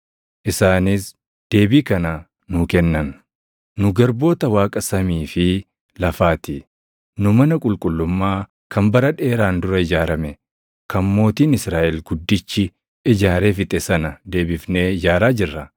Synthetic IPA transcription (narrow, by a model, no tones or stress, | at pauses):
ʔɪsaːnɪs | d̪̥e̞ːbiːkɐnɐ | nʊkɛnːɐn | nʊɡɐɾbo̞ːt̪ɐwaːkʼɐsɐmiːfɪ | lɐfaːt̪ɪ | nʊmɐnɐkʼʊlkʼʊlːʊmːaː | kʰɐmbɐɾɐᶑe̞ːɾaːnd̪ʊɾɐɪd͡ʒaːɾɐmɛ | kɐmmːo̞ːt̪iːnɪsɾaːʔɛlɡʊd̪ːɪt͡ʃːɪ | ɪd͡ʒaːɾe̞ːfɪt̪ʼɛsɐnɐd̪e̞ːbɪfne̞ːɪd͡ʒaːɾaːd͡ʒɪrːɐ